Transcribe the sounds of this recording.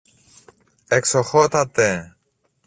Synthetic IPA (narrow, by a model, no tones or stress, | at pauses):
eksoxot̪at̪ːe